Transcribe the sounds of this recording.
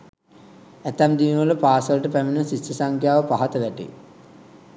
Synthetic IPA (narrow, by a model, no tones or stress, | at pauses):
æt̪amd̪iːnʋələpaːsələʈəpæmənəsisɐsaŋkʰjaːʋəpaɦat̪əʋæʈḛ